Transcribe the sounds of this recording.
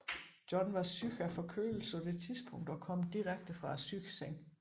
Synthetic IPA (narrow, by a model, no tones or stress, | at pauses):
d̥jɒ̽nʋɑ̈syɡ̥æfɒ̽kʰø̰ːl̩sɒd̥e̝t͡sʰiðˠsb̥ʰɔ̽ŋ̰d̥ɒ̽kʰɒ̽m̰d̥iʁaɡ̥̚d̥əfʁɑ̈æsyɡ̥seŋ̰